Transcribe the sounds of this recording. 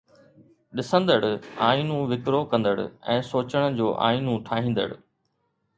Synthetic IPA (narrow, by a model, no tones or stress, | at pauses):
ɗɪsə̃nd̪əɽʊaːinũʋɪkɾokɐ̃nd̪əɽʊ̰ɛ̃ːsoːt͡ɕəɽ̃ə̆d͡ʑoːʔa̰ːĩnũʈʰaːɦĩːn̆d̪ə̰ɽʊ̆